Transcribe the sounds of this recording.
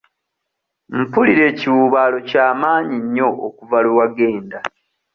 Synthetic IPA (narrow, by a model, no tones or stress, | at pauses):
m̩puliɾe̞ːciwuːβaːlo̞caːmaːɲiɲːo̞ʔokuvaluwaɡe̞ːnda